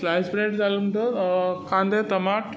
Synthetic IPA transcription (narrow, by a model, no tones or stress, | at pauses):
slajsbɾeʈd͡zalumʈ̪okãnd̪et̪ɐmaʈ